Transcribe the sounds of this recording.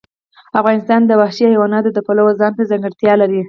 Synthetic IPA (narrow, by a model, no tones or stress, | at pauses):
afɣɑnɪst̪ɑnd̪əwahʃihajwɑnɑt̪od̪əpalawazɑnt̪azaŋɡəɽt̪jɑlaɾi